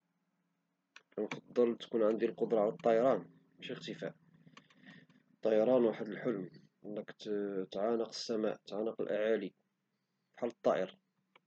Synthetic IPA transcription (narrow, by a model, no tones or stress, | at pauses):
kænfɑd̪ˤːəlt̪kunʕənd̪ilqod̪ɾˤɑʕalət̪ˤːɑjɑɾˤɑn | mæʃixt̪əfæ̰ʔ | t̪ˤːɑjɑɾˤɑnwaħəd̪əlħʊlm | lːækt̪ʕanəqə̥sːæmæ̰ʔt̪ʕanəqəlʔa̰ʕali | fħalːət̪ˤːɑʔəɾ